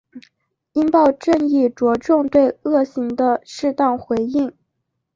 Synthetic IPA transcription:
i˥npɑ˥˧ʊʈ͡ʂə˥˧ŋi˥˩ʈ͡ʂwɔ˧˥ʈ͡ʂʊ˥˧ŋt̪we˥˧ɪɤ˥˩ɕi˧˥ŋd̪ə˧ʂɻ̩˥˧t̪ɑ˥˩ŋxwe˧˥ɪi˥˩ŋ

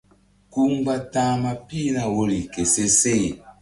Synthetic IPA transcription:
ku˦mba˦tãː˦ma˦pi˦na˨wo˦li˨ke˨se˦se˦˨

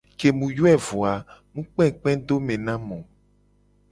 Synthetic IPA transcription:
ke˨mũ˨jo˦ɛ˦˨vo˨a˨mũ˦k͡pɛ̃˦˨k͡pɛ̃˦d̪o˦mẽ˨nã˦mɔ̃˨

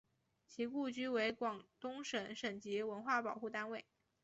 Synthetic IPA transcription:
t͡ɕʰi˧˥ku˥˩t͡ɕy˥we˧˥ɪkwɑ˨˩ŋt̪ʊ˥ŋʂə˧˥nʂə˨˩nt͡ɕi˧˥wə˧˥nxwa˥˩pɑ˨˩ʊxu˥˩t̪a˥nwe˥˩ɪ

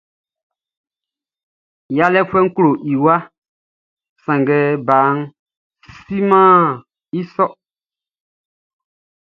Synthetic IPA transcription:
ja˦lɛ˦fɛ˦ŋ̩˦klo˨ʔi˨wa˦ | sã˨ŋɡɛ˨˦baː˨˦ŋ | si˦mãː˦˨ | i˦sɔ˦

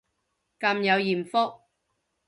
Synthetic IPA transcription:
kɐ˧mjɐ˨˧wjiː˨˩mfɔ˥k̚

